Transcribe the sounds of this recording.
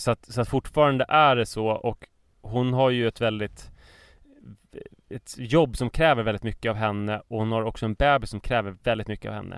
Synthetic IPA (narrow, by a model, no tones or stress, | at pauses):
sɔat̪sɔat̪fʊʈːfɑːɾand̪əʔæɖɛsɔʔɔk | hʊnɦaɾjɵɛt̪vɛld̪ɪt̪ | ɛt̪jɔbːsɔmkʰɾɛːvəɾvɛld̪ɪt̪mʏkːəavɦɛnːəɔhʊnhaɾɔksɔɛnbɛːbɪsːɔmkʰɾɛːvəɾvɛld̪ɪt̪mʏkːəa̰vhɛ̰nːʔə̰